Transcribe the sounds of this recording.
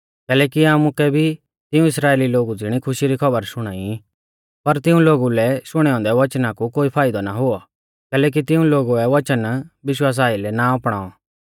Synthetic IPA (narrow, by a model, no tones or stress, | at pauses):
kɛːlɛːkiaːmũkɛbʱi | t̪ɪũɪsɾaːeːliloːɡud͡zɪɽ̃ikʰʊʃiɾikʰɐbəɾsʊɽ̃aːi | pɐɾt̪ɪũloːɡulɛsʊɽ̃ɛɔ̃ːnd̪ɛʋɐt͡ʃnakukoːipʰaːɪd̪ɔnaɦʊɔ | kɛːlɛːk̬it̪ɪũloːɡuɛʋɐt͡ʃənbɪʃwaːs̬aːilɛnaɔpɽ̃aːɔ